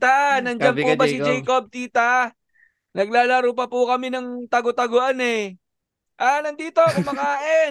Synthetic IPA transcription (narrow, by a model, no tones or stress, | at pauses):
t̪anɐnd͡ʒɐnpubɐsɪd͡ʒɛjkob̚t̪iːt̪a | nɐɡlaːlɐɾup̬ɐpʊkɐmɛnɐŋt̪ɐɡot̪ɐɡoʔanɛ | ʔanɐnd̪iːt̪o̞kɐmɐŋaːʔɛ